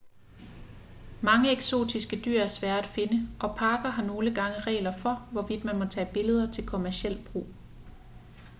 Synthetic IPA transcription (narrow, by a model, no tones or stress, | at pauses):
mɑ̈ŋəeɡ̥so̝̰ːd̥isɡ̥əd̥y̰ɐ̰æɐsʋæɐ̰dæd̥fe̝nəʔɒ̽pʰɑ̈ːɡ̥ɐɦɑ̈no̝ːləɡ̥ɑ̈ŋəʁɛ̰ːlɐfɒ̽ʋɒʋid̥mænmɒ̽t͡sʰɛ̰ːb̥e̝ləð̞ˠɐt͡sʰe̝lkʰo̝mæɐɕiel̰b̥ʁṵː